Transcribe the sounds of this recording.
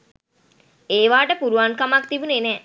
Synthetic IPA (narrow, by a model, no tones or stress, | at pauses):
eːʋaːʈəpuɾuʋaŋkamakt̪ibunenɛː